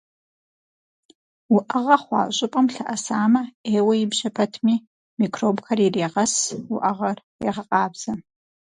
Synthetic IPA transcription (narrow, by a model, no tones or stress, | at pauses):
wʊʔɐʁɐχʷɑ̰ːɕʼʊpʼɐmɬɐʔɐsaːmɐeːwɐjɪbʒɐpʰɐtʰmiː | mikʰroːbkʰɐrireːʁɐsuʔɐʁɐr | ḛʁɐqʼɑːbz̥ɐ